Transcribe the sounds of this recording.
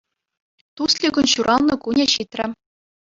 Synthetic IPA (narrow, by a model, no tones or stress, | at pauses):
t̪uslʲiɡʲŭnɕuɾʔɑlˠnɤ̆kunʲeɕit̪ʲrʲɘ̆